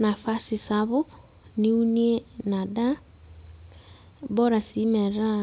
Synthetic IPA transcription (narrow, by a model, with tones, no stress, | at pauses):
na˨fa˦si˨sa˨βo˦ | ni˦u˦ni˦e˦na˨da˦ | bɔ˦ɾa˨si˦mɛ˨ɾa˦